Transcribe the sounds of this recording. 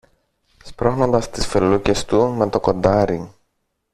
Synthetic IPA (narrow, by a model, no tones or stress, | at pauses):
spɾo̞xno̞nd̪ɐst̪isfeluce̞st̪umet̪o̞ko̞nd̪ɐɾi